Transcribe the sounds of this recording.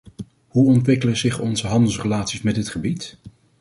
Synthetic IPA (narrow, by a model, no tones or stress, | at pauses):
ɦuɔntʋɪkələzɪχɔnzəɦɑndəl̩ˠsrəlaːtsismɛdɪtχəbit